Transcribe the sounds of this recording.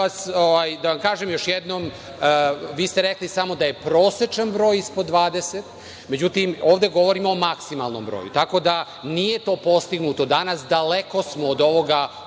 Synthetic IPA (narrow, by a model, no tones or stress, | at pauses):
asoʋajd̪aʋamkaːʒemjo̞ʃjed̪nom | ʋiːst̪eɾeklisamo̞d̪aje̞pɾo̞ːset͡ʃanbɾoːjispod̪ːʋaːd̪e̞set̪ | me̞d͡ʑut̪imoːʋd̪e̞ɡo̞ʋo̞ɾimoːmaksima̰lˠno̞̰mbɾo̰jṵt̪ako̞d̪a | nije̞t̪o̞ːpo̞st̪iɡnut̪o̞d̪anasd̪aleko̞smoːd̪o̞ʋo̞ɡa